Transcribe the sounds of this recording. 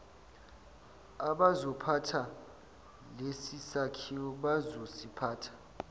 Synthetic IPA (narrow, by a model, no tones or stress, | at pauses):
aɓazɔpʰatʰa | lesisakʰiɔɓazosipʰaːtʰḁ